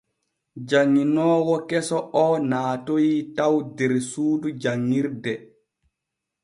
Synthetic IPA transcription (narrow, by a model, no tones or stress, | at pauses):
d͡ʒaŋːinɔːwɔkɛsɔʔɔnaːtojitawdɛɾsuːdud͡ʒaŋːiɾdɛ